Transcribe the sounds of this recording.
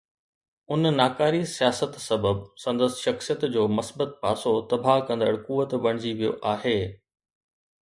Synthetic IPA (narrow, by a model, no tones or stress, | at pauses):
ʊnnaːkaːɾisijaːsət̪sɐbəbsɐ̃nd̪əsʃɐxsijət̪d͡ʑoːmɐsbət̪̚paːsot̪ɐbʱakɐ̃nd̪əɽkuːʋət̪ʋɐɽ̃ɪd͡ʑiʋijo̰ʔaːɦeː